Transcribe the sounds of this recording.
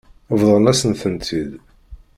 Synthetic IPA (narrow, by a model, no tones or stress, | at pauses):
vðˤəʁənæsənθənt̪ʰid̪